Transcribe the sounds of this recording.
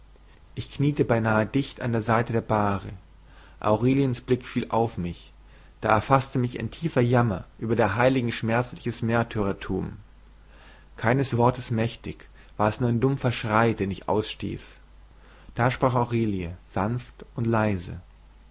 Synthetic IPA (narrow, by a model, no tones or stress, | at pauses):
ʔɪçkniːtəbaɪnaːədɪçta̰ndeːɐzaɪtədeːɐbaːʁə | ʔa̰ʊʁeːliənsb̥lɪkfiːlʔaʊfmɪç | d̥aːɛɐfastəmɪçɪ̰ntʰiːfɐjamɐ̰ʔyːbɐdeːɐɦaɪlɪɡŋ̩ʃmɛɐt͡slɪçəsmeːɐtʰøːʁɐtʰṵːm | kʰaɪnəsv̥ɔɐtəsmɛçtɪç | v̥aːɐɛsnuɐaɪndʊmfɐʃʁ̥aɪdeːnɪçʔa̰ʊsʃtḭːs | d̥aːʃpʁ̥aːχaʊʁeːliəz̥anftʊntlaɪzə̰